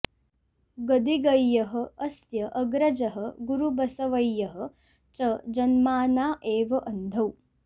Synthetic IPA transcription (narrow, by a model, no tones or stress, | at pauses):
ɡɐd̪iɡɐjːɐɦɐ̆ɐsjɐʔɐɡɾɐd͡ʒɐɦɐɡuɾubɐsɐʋɐjːɐɦɐ̆ | t͡ʃɐd͡ʒɐnmaːnaːʔeːʋɐʔɐnd̪ʱɐw